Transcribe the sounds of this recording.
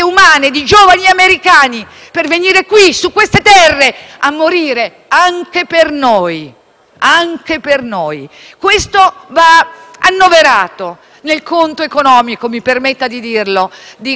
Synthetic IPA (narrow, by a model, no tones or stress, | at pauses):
eumaːned̪id͡ʒoːvaniameɾikaːni | perveniːɾekwisukːwest̪et̪ɛrːeamːoɾiːɾe | aŋkepernoj | aŋkepernoːj | kwest̪ovaanːoveɾaːt̪o | nelkont̪oekonɔːmikomipermet̪ːad̪id̪irlod̪i